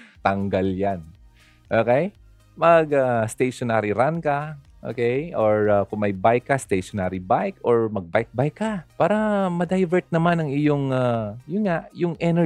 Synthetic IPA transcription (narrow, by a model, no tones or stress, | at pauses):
t̪ɐŋɡaljan | ʔoːkɛj | mɐɡast̪ejʃonaːɾiɾankɐ | ʔo̰ːkɛjʔoɹakʊŋmɐjbajkːɐst̪ejʃonaɾibajkʔoɹmɐɡ̚bajk̚bajkːɐpaːɾɐmɐd̪ɐjvɛɹt̪̚nɐmanɐŋɪjoŋajʊnŋaʔjʊŋʔɛnɛ